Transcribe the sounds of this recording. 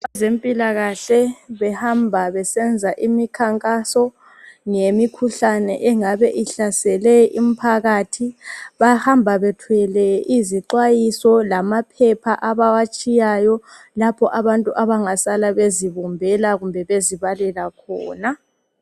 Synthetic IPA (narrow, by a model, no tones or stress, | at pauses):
βazempʼilaɣaɬɛβɛhambʱaβɛsɛnd͡zʱaʔimikʰaŋkʼasɔ | ŋemikʰuɬanɛ̰ʔɛŋaβɛʔiɬasɛlɛʔim̩pʰaɣatʰiβahambʱaβɛtʰwɛlɛʔiziǃwajisɔlamapʰɛpʰaʔaβawat͡ʃʼijajɔ | lapʰɔʔaβantʼuʔaβaŋasalaβeziβɔmbʱɛlaɣumbʱɛβeziβalɛlakʰɔːna